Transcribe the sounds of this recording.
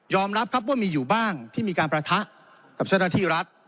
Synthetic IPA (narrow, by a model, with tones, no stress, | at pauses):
jɔː˧mɾa˦˥p̚kʰa˦˥p̚waː˥˩miː˧juː˨˩baː˥˩ŋt̪ʰiː˥˩miː˧kaː˧npɾa˧t̪ʰa˦˥ʔ | ka˨˩p̚t͡ɕa˥˩naː˥˩t̪ʰiː˥˩ɾa˦˥t̪̚